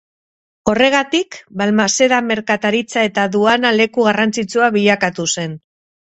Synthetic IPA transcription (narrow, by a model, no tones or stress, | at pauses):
o̞re̞ɣ̞at̪ikbalmase̞ðame̞ɾkat̪aɾit͡sae̞t̪aðuanale̞kuɣarant͡sit͡suaβiʎakat̪use̞n